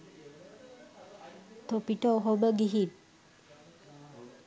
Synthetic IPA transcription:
t̪opiʈɔwɦobəɡiɦit̪̚

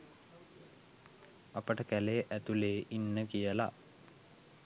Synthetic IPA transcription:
apəʈəkæleːʔæt̪uleːʔinːəkijəla̰

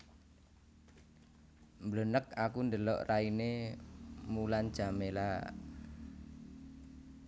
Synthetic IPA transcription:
mblənəkakund̪əlɔ̰ʔraine | mulan̥ʒ̥a̤mela

